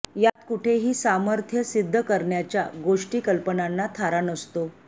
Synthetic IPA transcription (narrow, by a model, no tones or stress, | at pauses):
jat̪kuʈʰeɦiːsaməɾt̪ʰjəsid̪ʱːəkəɾɳjat͡ɕjaɡoʂʈiːkəlpənanːat̪ʰaɾanəst̪o